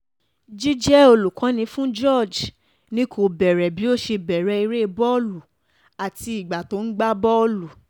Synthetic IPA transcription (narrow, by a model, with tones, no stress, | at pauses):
d͡ʒi˦d͡ʒɛ˦o˧lu˨kã˨˦nĩ˧fũ˦d͡ʒɔ˦˨d͡ʒ | nĩ˦kʰo˨bɛ˨ɾɛ˨bi˨˦o˦ʃe˧bɛ˨ɾɛ˨˦i˧ɾe˦˧bɔ˦lu˨ | a˨ti˧i˨ɡ͡ba˨to˨˦n̩˦ɡ͡ba˦bɔ˦lu˨